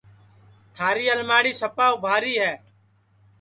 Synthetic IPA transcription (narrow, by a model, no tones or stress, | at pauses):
t̪ʰaːɾiːəlmaːɽiːsəpaːʊbʱaːɾiːɦɛː